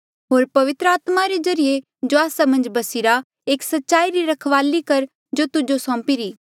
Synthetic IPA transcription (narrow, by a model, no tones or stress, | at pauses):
ɦoːɾpɐʋɪt̪ɾəaːt̪maɾezɐɾije | d͡ʒoaːsamɐ̃nd͡ʒbɐsɪɾa | eːksɐtːʃaːiɾiɾɐkʰʋaːlikɐɾ | d͡ʒot̪ʊd͡ʒosɔ̃ːpiɾiː